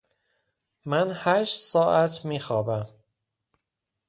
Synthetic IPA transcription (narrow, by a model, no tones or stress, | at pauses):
mænhæːʃt̪sɒːʔæt̪ʰmiːxɒːbæm